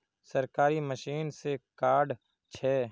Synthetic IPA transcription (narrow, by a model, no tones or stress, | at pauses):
sɐɾkaːɾiməʃiːnsekaːɾɖ | t͡ʃʰɛː